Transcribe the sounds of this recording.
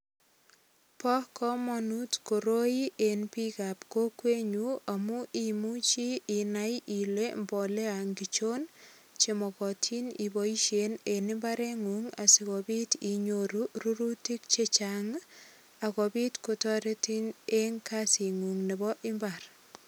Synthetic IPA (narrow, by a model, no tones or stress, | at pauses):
pɔkɔmɔnutkoɾoiʔenpikapkokweɲuamuʔimut͡ʃiinajilembɔleaŋɡit͡ʃon | t͡ʃemɔkɔtʰinibɔiʃenenɪmbaɾeŋuŋa̰siɣɔbitiɲoɾuruɾutik̚t͡ʃet͡ʃaŋ | akɔbitkotɔɾetineŋkasiŋuŋnebɔʔɪmbar